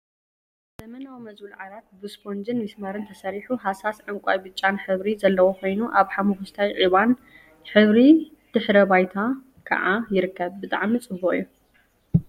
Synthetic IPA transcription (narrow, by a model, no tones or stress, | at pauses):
zɐmɐnawimɐzbɨlʕalat̪̚bɨspʰond͡ʒɨnmɨsmɐɾɨnt̪ʰɐsɐɾiħuɦasasʕɨŋkʷʼa̰jbɨt͡ʃʼːanħɨβɾizɐlːɐwokʰʷo̞jnuʔaβħamuxust̪ʰajʕiβan | ħɨβɾi | d̪̥ɨħɾɐbajt̪ʰa | kʰɐ̰ʕajɪɾɨkːɐβbɨt̪ʼa̰ʕmit͡sʼɨbːuʔijːu